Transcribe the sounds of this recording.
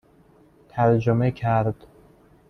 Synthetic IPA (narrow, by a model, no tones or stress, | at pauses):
t̪ʰæɾd͡ʒomecʰæɾd̪̥